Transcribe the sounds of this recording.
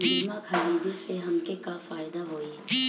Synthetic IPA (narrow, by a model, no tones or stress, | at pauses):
mɪd͡ʒmãkɐɾiːd̪eseɦɐmkekafaːɪd̪aɦoːi